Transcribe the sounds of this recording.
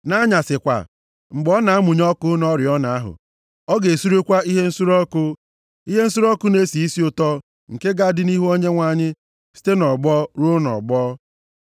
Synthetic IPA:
na˦ɲa˨sɪ˨kʷa̰˨ | ŋ͡m̩˨ɡ͡bɔ˦na˨a˦mʊ˨ɲɔ˦kʊ˦nɔ˦ɾɪ˨ɔ˦na˨a˦ɦʊ̰˨ | ɔ˦ɡe˨su˦ɾe˦kʷa˦i˦ɦe˦n̩˦su˦ɾɔ˦kʊ˦ | i˦ɦe˦n̩˦su˦ɾɔ˦kʊ˦ne˦si˨i˦si˦ʊ˨tɔ˦ | ŋ̩˨ke˦ɡa˦dɪ˦ni˦ɦu˦o˦ɲe˦ŋʷa˨ɲɪ˦ | si̥˦te˦nɔ˨ɡ͡bɔ˦ɾo˦nɔ̰˨ɡ͡bɔː˦

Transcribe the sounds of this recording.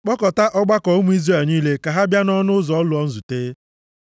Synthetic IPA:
k͡pɔ˦kɔ˨ta˦ʔɔ˦ɡ͡ba˦kɔ˨o˦mu˦i˦zre˦˨niː˦le˦ka˨ɦa˦bja˦nɔ˦nʊ˦zɔ˦lʊ˨ɔ˦n̩˦zu˨teː˦

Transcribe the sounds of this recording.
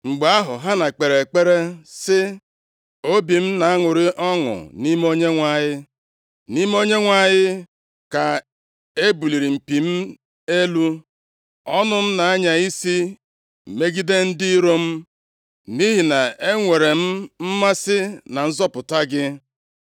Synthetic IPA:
ŋ͡m̩˨ɡ͡ba˦ɦʊ˨ɦa˦na˨k͡pe˨ɾe˨k͡pe˦ɾe˦sɪ˦ | o˦bi˨m̩˦na˨a˦ŋʊ˨ɾɪ˦ʔɔ˦ŋʊ̰˨ni˦m˦o˦ɲe˦ŋʷa˦˨ɲɪ˦ | ni˦m˦o˦ɲe˦ŋʷa˦˨ɲɪ˦ | ka˨ | e˦bu˨li˨ɾi˨m̩˨pi˨m̩˦ | e˦lu˦ | ɔ˦nʊ˦m̩˦na˨a˦ɲa˨i˦si˦ | m̩˨me˦ɡi˦de˦n̩˦dɪ˦ɾo˦m̩˦ | ni˦ɦi˨na˨e˦ŋʷe˨ɾe˨m̩˦m̩˦ma˦sɪ˦na˨n̩˦zɔ˦pʊ˨ta˦ɡɪ˦

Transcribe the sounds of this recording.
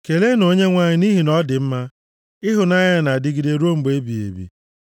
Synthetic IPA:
ke˨le˦no˨ɲe˦ŋʷa˨ɲɪ˨ni˦ɦi˨nɔ˦dɪ˨m̩˦ma˦ | ɪ˦ɦʊ˨na˦ɲa˦na˨dɪ˦ɡi˨de˨ɾo˦m̩˨be˦bi˨ḛ˨bḭ˨

